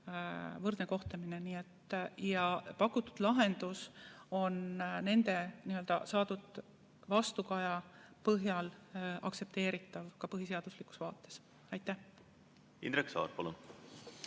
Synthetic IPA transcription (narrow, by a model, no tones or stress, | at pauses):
vɤrd̪neko̞ht̪ɑmineniːet̪ːjɑpɑkːut̪ːˑu̥d̪̥lɑɦe̞nd̪̥uso̞nne̞nd̪̥e̞niø̞ld̪̥ɑsɑːd̪ud̪̥ | vɑst̪ukɑjɑpɤɦjɑlɑ̰ksep̚t̪e̞ːɾit̪ːˑɑvkɑpɤɦis̬e̞ɑd̪̥uslikːˑu̥svɑːt̪ːˑe̞̥s | ɑjt̪ːˑæh | ḭnd̪ɾeksɑ̰ːɾpɑlṵn